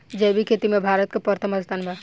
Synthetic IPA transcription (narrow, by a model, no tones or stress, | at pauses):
d͡ʒɛbʱikʰet̪imebʱaːɾət̪̚kepəɾt̪ʰəməd̪st̪ʰanba